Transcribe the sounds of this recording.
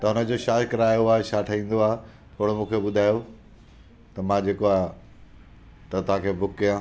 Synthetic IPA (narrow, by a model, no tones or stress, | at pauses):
t̪ɐʊnə̆d͡ʑoʃaːkɐɾaːjoaːɦeʃaːʈʰaĩːn̆d̪oaːɦe | t̪ʰoːɽomũːkʰeɓʊd̪ʱaːjo | t̪ɐmãd͡ʑeːkoaːɦ | t̪ɐt̪ʊʋ̤ãkʰeːbʱʊkːijãː